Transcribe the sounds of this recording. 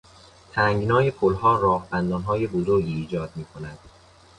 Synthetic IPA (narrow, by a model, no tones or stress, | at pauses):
t̪ʰæŋɡnɒːɦepʰolhɒːɾɒːhbænd̪ɒːnɦɒːje̞bozoɾɡiːd͡ʒɒːd̪̚miːkʰonæd̪̥